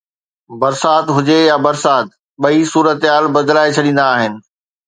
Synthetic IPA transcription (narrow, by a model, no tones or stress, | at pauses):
bɐɾsaːt̪ɦʊd͡ʑejabɐɾsaːt̪ | ɓɐisuːɾət̪ɦaːlbɐd̪laːet͡ɕʰɐɗĩːn̆d̪aːɦɪnɪ̆